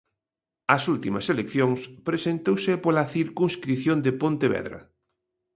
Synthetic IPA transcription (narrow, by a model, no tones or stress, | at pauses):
ɐsult̪imɐselekθjoŋspɾesent̪owsɪpolɐθiɾkuŋskɾiθjond̪epont̪eβɛ̰ðɾɐ̰